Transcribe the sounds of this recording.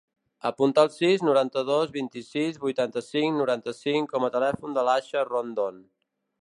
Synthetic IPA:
əpunt̪aːlˠsiznuɾant̪əðozβint̪isizβujt̪ant̪əsiŋnuɾant̪əsiŋkɔmət̪əlɛfund̪əlaʃərond̪on

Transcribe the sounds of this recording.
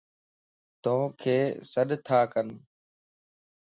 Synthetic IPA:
t̪õːkʰeːsəɗt̪ʰaːkən

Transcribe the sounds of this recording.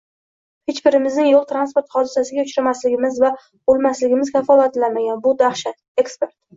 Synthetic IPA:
het͡ʃbɪɾɪmɪznɪŋjolˠt̪ɾanspoɾt̪χɒd̪ɪsasɪɡʲaʊt͡ʃɾamaslɪɡʲɪmɪzva | bolˠmaslɪɡʲɪmɪz̥kʲʰafɒlˠat̪lanmaɡʲanbʊd̪aχʃat̪e̞kspe̞ɾt̪̚

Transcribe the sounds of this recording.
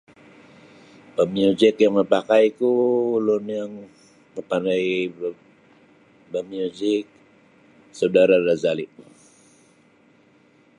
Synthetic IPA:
bəmiud͡ʒɪkjaŋməpakajkulʊnjaŋ | məpandai | bəmiud͡ʒɪk̚ | sawdaɾarazalɪʔ̚

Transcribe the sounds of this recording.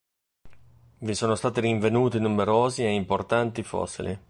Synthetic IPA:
visoːnost̪aːt̪iɾiɱvenuːt̪inumeɾoːzieimport̪ant̪ifɔ̰sːḭlḭ

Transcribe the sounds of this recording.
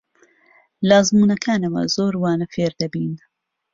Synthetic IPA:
laːzmuːnɐkʰaːnɐwɐ̰zoːɾwaːnɐfeːɾd̪ɐbiːn

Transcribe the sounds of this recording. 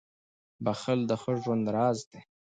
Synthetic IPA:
baxəld̪əxəʒwand̪ɾɑːzd̪e

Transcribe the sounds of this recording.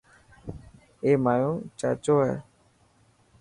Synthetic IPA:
eːmaːjõːt͡ʃa̰ːt͡ʃoːɦɛ̰ː

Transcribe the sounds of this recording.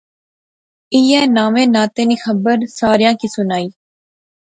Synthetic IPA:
iːɛːnaːʋẽːnaːt̪eːniːxəbəɾsaːɾɪjãːkiːsʊnaːiː

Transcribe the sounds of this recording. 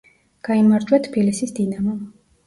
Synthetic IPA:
ɡ̥aimaɾd͡ʒ̪wat̪ʰbilisisd̪inamɔ

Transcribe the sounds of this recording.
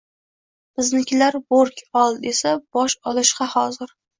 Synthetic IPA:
bɪznɪkʲlaɾboɾkʲɒlˠe̞sab̥ɒʃɒlˠɪʃqɑhɒzɪɾ

